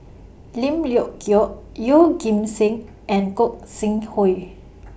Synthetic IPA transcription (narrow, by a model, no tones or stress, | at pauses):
lĩmljɔʔkjɔʔ | joɡĩmsĩŋ | ɛ̃nkɔk̚sĩŋhɔj